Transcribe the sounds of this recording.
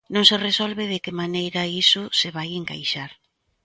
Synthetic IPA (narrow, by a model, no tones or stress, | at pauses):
nõŋseresolβeðekɪmanejɾaisʊseβajeŋka̰jʃaɾ